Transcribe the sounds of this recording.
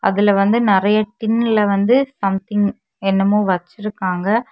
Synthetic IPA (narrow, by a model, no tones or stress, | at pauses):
ʔɐ̰ðɪlɐʋɐnd̪ɯnɪɾɐjɐʈɪnːɪlɐʋɐnd̪ɯsɐmt̪ɪŋ | ɛnːɐmoːʋɐt͡ʃːɪɾɯkːaːŋɡɐ